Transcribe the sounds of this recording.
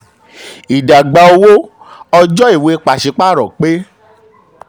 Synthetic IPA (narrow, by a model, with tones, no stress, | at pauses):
i˨da˨ɡ͡ba˧o˧wo˦ | ɔ˧d͡ʒɔ˦i˦˨we˧i˧k͡pa˨ʃi˧k͡pa˦ɾɔ˨k͡pe˦